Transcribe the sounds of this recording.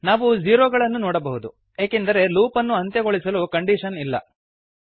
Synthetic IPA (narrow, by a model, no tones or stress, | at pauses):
naːʋud͡ʒiːɾoːɡɐɭɐnːunɔːɽɐbɐɦud̪u | eːkend̪ɐɾe̞luːpɐnːuɐnt̪jeɡoɭisɐlukɐɳɖiʃɐnilːɐ̰